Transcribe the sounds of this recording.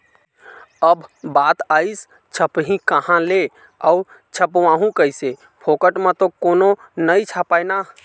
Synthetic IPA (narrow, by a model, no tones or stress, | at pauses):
əbbat̪ais | t͡ʃʰəpɦĩkəhãle | ɔʊɾ | t͡ʃʰəpʋãɦũkəjse | pʰokəʈmẽt̪okono | nəit͡ʃʰapajna